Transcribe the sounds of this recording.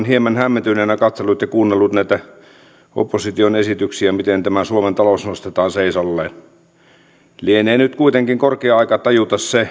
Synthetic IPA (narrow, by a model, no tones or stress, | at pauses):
nhiemænhæmːent̪ynenɑkɑt̪selːut̪jɑkuːnːelːut̪næit̪æ | o̰pːosit̪ionesit̪yksiæmit̪ent̪æmæsuoment̪ɑlosnost̪et̪ɑːnseisɑlːeːn | lieneːnyt̪kuit̪eŋkiŋkorkeɑɑikɑt̪ɑjut̪ɑsse